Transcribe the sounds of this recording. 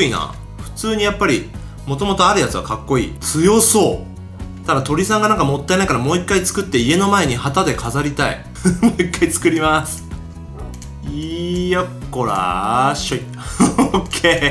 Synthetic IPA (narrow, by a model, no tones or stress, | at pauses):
ina̰ː | ɸɯ̟̥t͡sɨːɲ̟ijapːaɾʲi | mo̞t̪o̞mo̞t̪o̞aɾɯ̟jat͡sɨβa̰kakːo̞ḭːt͡sɨjo̞so̞ː | t̪ad̪at̪o̞ɾʲisãŋɡanãŋkamo̞t̪ːaeaikaɾamo̞ːikːait͡sɨ̥kɯ̟t̪ːe̞ie̞no̞maeɲ̟ihat̪ad̪e̞kʰazaɾʲit̪aḭ | moːikːait͡sɨ̥kɯ̟ɾʲimasɨ̥ | ijakːoɾa̰ɕoi | okʰːe